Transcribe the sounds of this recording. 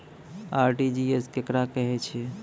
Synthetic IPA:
aɾʈid͡ʒieskekɾakəɦɛt͡ʃʰɛ

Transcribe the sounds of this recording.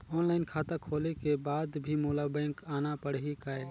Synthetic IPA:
ɔːnlaːɪnkʰaːt̪akʰoːlekebaːd̪bʱimoːlabɛ̃ːŋkaːnapəɽ̤ɦikaːe

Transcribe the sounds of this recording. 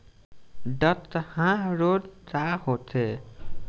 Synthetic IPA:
ɖʌt̪ːhãɾodt͡sahot̪ʰe

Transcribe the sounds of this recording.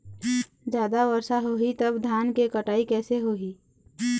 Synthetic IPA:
d͡ʒjaːd̪aʋəɾʃaɦoːɦit̪əbd̪ʱjaːnkekəʈaːikɛːseɦoːɦiː

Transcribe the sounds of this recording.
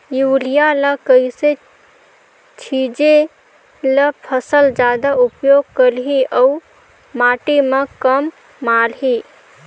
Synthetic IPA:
julijaləkəjse | t͡ʃʰid͡ʒe | ləpʰəsəld͡ʒad̪aupjoɡ̚kəlɦiʔəu | maʈemekəmː | alɦi

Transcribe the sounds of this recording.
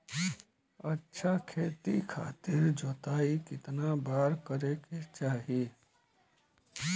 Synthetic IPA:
ətːʃʰakʰeːt̪ikʰa̰ːt̪ɪɾd͡ʒot̪aikɪt̪nabaːɾkəɾeket͡ʃaːɦi

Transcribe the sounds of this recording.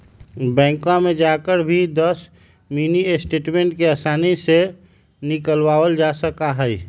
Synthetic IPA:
bɛ̃ːŋkãmẽd͡ʒakəɾbʱid̪əs | miniesʈeːʈmẽːɳʈkeasaːnise | nɪkəlwaːwəld͡ʒasəkaɦɛi

